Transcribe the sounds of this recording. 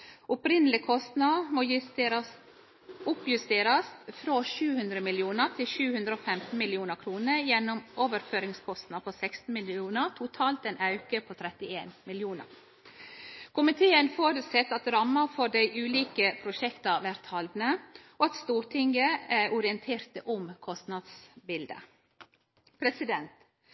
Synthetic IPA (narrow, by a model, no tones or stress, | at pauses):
ʔʊpɾɪnəlɪkʰɔst̪nɑmo | ʊpjʉst̪eːɾɑsfɾoːʃʉːhʉnd̪ɾəmɪlɪuːnəɾt̪ʰɪlʃʉːhʉnd̪ɾəoːfɛmt̪n̩mɪlɪuːnəɾkʰɾuːnəɾjɛnːʊmʔoːʋəɾføːɾɪŋskʰɔst̪nɑpʰosɛkst̪n̩mɪlɪuːnəɾt̪ʰʊt̪ʰɑːlt̪ɛnʔɑʉkəpʰot̪ʰɾɛt̪ɪeːnmɪljuːnə̰ɾ | kʰʊmɪt̪ʰeːənfoːɾʉt̪sɛt̪ːɑt̪ɾɑmːəɾfɔɖæɪʔʉːliːkəpʰɾʊʃɛkt̪ɑʋæɾt̪hɑld̪nəoɑt̪st̪uːɾt̪ʰɪŋɡəæʔʊɾɪənt̪ʰeːɾt̪əʔʊmkʰɔst̪nɑd̪sbɪld̪ə̰ | pʰɾɛsɪd̪ɛnt̪